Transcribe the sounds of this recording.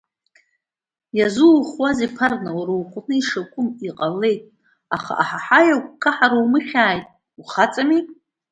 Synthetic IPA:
jazuwχwazipʰarnawɾowqʷʼnɨiʂakʷʼʊmiqʼalːe̞jtʼ | aχa̰ʔaħaħajakʷʰʼkʰaħaɾowmɨχʲaːjtʼ | wuχat͡sʼami

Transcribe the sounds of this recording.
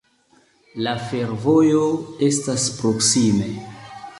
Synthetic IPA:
lafe̞ɾvo̞jo̞e̞staspɾo̞ksime̞

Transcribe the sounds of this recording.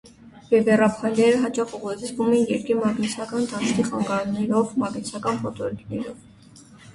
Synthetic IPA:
vɛvɛrɑpʰɑjlɛɾəɦɑt͡ʃɑχuʁut͡sʰvumɛnjɛɾkimɑɡnɛt͡sʰɑkɑnt̪ɑnt͡skʰiχɑŋɡɑɾnɛɾɔvmɑɡnɛt͡sʰɑkɑnpʰɔt̪ɔɾkʰnɛɾɔv

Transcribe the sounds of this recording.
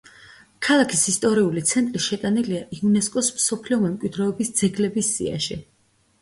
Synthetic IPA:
kʰalˠakʰisist̪ʼɔɾiulit̪sʰɛnt̪ʼɾiʃɛt̪ʼaniliaʔiunɛskʼɔsmsɔpʰliɔmɛmkʼwid̪ɾɛːbisd̪z̥ɛɡlɛbisːḭa̰ʃḭ

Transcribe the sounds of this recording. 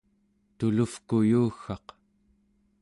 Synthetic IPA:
t̪ulufkujuːxɑq

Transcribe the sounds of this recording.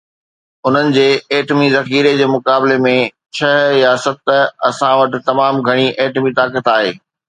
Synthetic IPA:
ʊn̤ənɪ̆d͡ʑeːeːʈmizɐxiːɾed͡ʑeːmʊkaːbɪlemẽ | t͡ɕʰɐɦjasɐt̪ɐsãʋɐʈɪ̆t̪ɐmaːmɡʱɐɽ̃iʔeːʈmit̪aːkət̪aːɦeː

